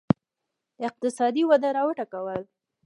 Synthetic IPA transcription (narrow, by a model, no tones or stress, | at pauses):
ɪq̚t̪ɪsɑd̪iwad̪aɾɑwəʈakawəl